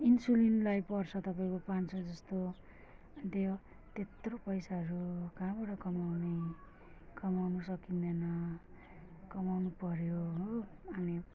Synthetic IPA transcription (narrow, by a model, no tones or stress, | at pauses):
insulinlajpʌrt͡sʰʌt̪ʌpãĩkopãnt͡sʰʌd͡zʌst̪o | t̪e | t̪et̪ropʌjsaɦʌɾukãɦãbaʈʌkʌmawne | kʌmawnʌsʌkind̪ʌnʌ | kʌmawnupʌɾjoɦoʌni